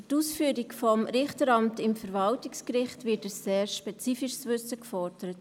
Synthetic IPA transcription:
tuːsfyːɾikfɔmɾɪχtəɾɑmtɪmfəɾvɑltɪkskɾɪχtvɪtəseːɾʃpɛt͡siːfɪʃsʋʏsəkfɔɾdəɾət

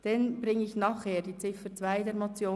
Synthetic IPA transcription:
d̥ɛnb̥ɾɪŋəɪçnɑχheːɾd̥iːt͡sɪfət͡sv̥aɪdeːɾmot͡sjoː

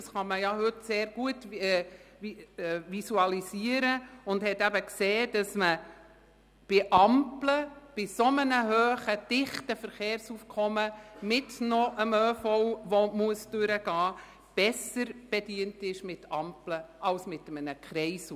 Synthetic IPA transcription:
ɑsχɑməjɑɦʏtseːɾɡ̥uətː | ʋisuɑlisiəɾəʊndhɛtæbəkseːd̥ɑsmə | b̥ɪʔɑmpləb̥ɪsomənəɦøːχəd̥ɪχtəfəɾχeːɾsufkʰɔməmɪtnɔʔəmøːfɔwʋɔmuəsd̥ʉɾəɡ̥ɑː | b̥ɛsəɾb̥ɛdiːəntɪʃmɪtɑmpləɑlsmɪtəmənəkχɾɛɪsu

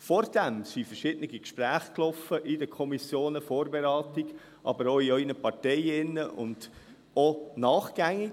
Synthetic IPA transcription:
fɔɾd̥æmsifəɾʃɪdənɪɡikʃpɾæːχklɔfəʔɪdəkʰɔmisjoːnəfoːɾbeɾɑːtiɡ̥ | ʔɑ̰bəɾoiœʏnəpɑrtɛjɪnːəʔʊ̰nd̥ | onɑːχɡ̥æŋɪ

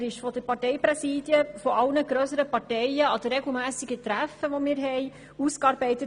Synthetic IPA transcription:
ɾɪʃfɔd̥əɾpɑɾtɛɪpɾɛsiːd̥jəfɔʔɑlnəɡɾøsəɾəpɑɾtɛjəɑd̥əɾɛɡl̩ˠmæːsɪɡət̪ɾæfəʋɔmɪːɾɦɛɪ | uskɑːɾbɛɪtət

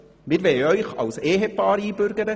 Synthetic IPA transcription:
mɪɾʋeːœʏχɑ̰lseːɦepɑːɾiːbʏɾɡəɾə

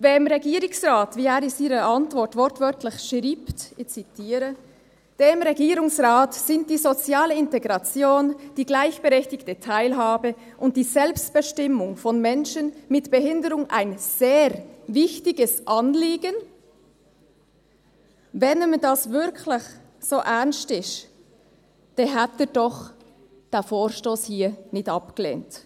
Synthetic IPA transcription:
vemʁeɡiːɾʊŋsʁaːtviːaːɾɪsiːɾəʔɑntv̥ɔɾtv̥ɔɾtvœɾtʰlɪçʃʁiːptɪçt͡sitʰiːɾə | d̥eːmʁɛɡiːɾʊŋsʁaːtz̥ɪnt̚d̥iːzot͡sjaːləɪnteɡʁɑt͡sjoːnd̥iːɡlaɪçb̥əʁɛçtɪçtətʰaɪlɦaːbə | ʔʊnt̚d̥iːzɛlpstb̥əʃtɪmʊŋfɔnmɛnʃənmɪtb̥əhɪndəɾʊŋʔa̰ɪnz̥eːɾvɪçtɪɡəsʔɑnliːɡən | vɛnmdɑsvɪɾkʰlɪç | z̥oːʔɛʁnstɪʃ | d̥ɛɦatədɔχ | d̥ɛːfoːɾʃtoːshiːnɪtɑpɡ̥əlḛːnt

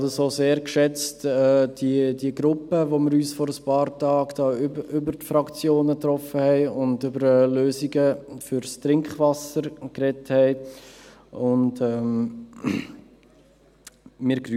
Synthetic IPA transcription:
dəsoːseːɾkʃɛt͡stɛːd̥idiəɡɾʊpːəvomɪɾyːsfɔɾəspɑːɾtɑːɡd̥ɑːʔʏbəɾtfɾɑkt͡sjoːnət̪ɾɔfəhɛɪʊndʏbəɾløːziɡəfʏɾstɾɪŋkχvɑsəɾkɾɛthɛɪ | ʊndɛm | mɪːɾɡɾy

